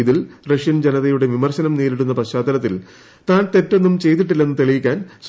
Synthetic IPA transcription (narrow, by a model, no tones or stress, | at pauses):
iðilrɐʂjɐnd͡ʑenɐðɐjuɽeʋimɐrɕɐnɐmneːɾiɽunːɐpɐɕaːd̪ɐɾɐt̪ːil | t̪aːnt̪e̞tːo̞nːumt͡ɕe̞jt̪̬iʈ̬ːilːe̞nːɨt̪eɭijikʲːaːns